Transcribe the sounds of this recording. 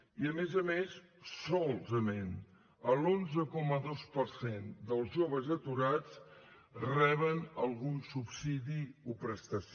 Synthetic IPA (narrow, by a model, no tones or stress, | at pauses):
iəmezəmessɔlˠzəmen | əlonzəkɔməðospəɾsend̪əlˠzʒoβ̞əzət̪uɾat͡s | rɛβənəlˠɣunsupsiðiupɾəst̪əs